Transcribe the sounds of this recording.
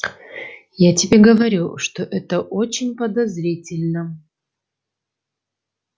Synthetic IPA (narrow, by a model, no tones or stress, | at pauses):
jatʲɪbʲeɡəvɐɾʲuʂt̪oʔɛt̪əʔot͡ɕɪnʲpəd̪ɐzɾʲitʲɪlʲnə